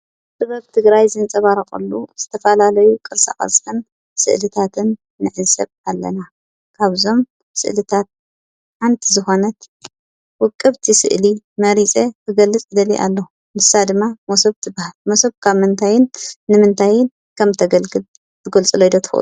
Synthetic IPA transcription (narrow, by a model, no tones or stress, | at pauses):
t̪ɨβɐβt̪ʰɨɡɾajzɨnt͡sʼɐβaɾɐxʼɨ̰lːuz̥ɨt̪ʰɐfɐlalɐjukʼɨɾsʼa̰χʼɐ̰sʼħɨn | sɨ̰ʔlɨt̪ʰat̪ʰɨnː | ɨʕɨsɐβalːɐ̰na | kʰaβzo̞m | sɨ̰ʔlɨt̪ʰat̪̚ | ħant̪ʰizɨxo̞nɐt̪ | wʊkʼːɨβt̪ʰisɨ̰ʔli | mɐɾit͡sʼet̪ʰɨɡɐlːɨt͡sʼd̪ɐliʔa̰lːɐu | mɨsad̪ɨmːamosɐβt̪ʰɨbahalmosɐβkʰaβmɨnt̪ʰajɪnːɨmɨnt̪ʰajɪn | kʰɐmt̪ʰɐɡɐlɡɨl | t̪ʰɨɡolt͡sʼɨlojd̪ot̪ʰɨ̥xʔṵ